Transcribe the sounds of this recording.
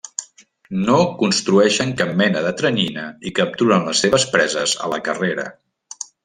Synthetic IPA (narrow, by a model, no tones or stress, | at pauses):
nokunst̪ɾuɛʃəŋkap̚mɛnəðət̪ɾəninəikəp̚t̪uɾənləsːeβəspɾɛzəzə̰ləkəreɾə̰